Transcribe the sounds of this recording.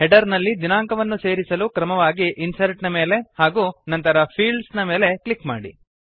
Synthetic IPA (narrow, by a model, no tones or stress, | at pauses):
hɛɖɐɾnɐlːid͡ʒ̪inaːŋkɐʋɐnːuse̞ːɾisɐlukɾɐmɐʋaːɡiʔinsɐɾʈnɐme̞ːle̞haːɡuːnɐnt̪ɐɾɐpʰiːɭɖsnɐme̞ːle̞klikma̰ːɽḭ